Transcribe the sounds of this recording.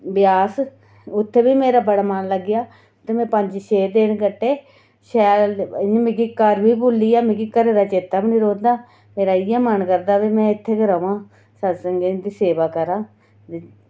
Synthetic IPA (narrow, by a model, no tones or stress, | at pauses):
bɪjaːs | ʊt̪ʰːeːbiːmeːɾaːbəɽaːmənləɡɪjaː | t̪emɛ̃ːpəɲd͡ʒʃeːd̪eːɳkəʈːeː | ʃɛːmekikəɾʋiːbuːlːiːaːmɪ̃ɡikəɾeːɾaːt͡ʃeːt̪ːaːbnɪɾoːd̪aː | meːɾaːɪjaːmənkəɾd̪aːʋiːmɛ̃ːɪt̪ʰːeːɡəɾãːʋãː | səsəŋɡed̪iːseːʋaːkəɾãː